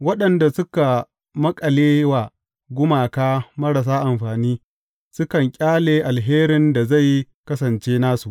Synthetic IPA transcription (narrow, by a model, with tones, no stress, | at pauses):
wɐ˦ɗɐ˨nda˨sʊ˦ka˨ | mɐ˦kʼɐ˨leː˦waː˨ | ɡʷʊ˦maː˨kaː˦mɐ˦ɽɐ˨s̬aː˦ʔa˨mɸaː˨niː˦ | sʊ˦kɐ˨ŋkʲʼaː˦leː˨ʔa˨lɦeː˦ɾɪ˨nda˨za˦˨j | kɐ˦sɐ˨nt͡ʃeː˦naː˦su˨ʔ